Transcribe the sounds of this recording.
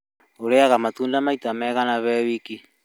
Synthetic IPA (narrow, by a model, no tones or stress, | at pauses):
oɾeaɣamatundamaitamɛɣanaβɛwiki